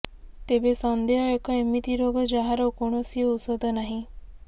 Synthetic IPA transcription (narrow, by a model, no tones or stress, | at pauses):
t̪ebesɔnd̪eɦɔekɔemit̪iɾoɡɔd͡ʒaɦaɾɔkoɳ̃ɔsiout̪sod̪ʱɔnaɦĩ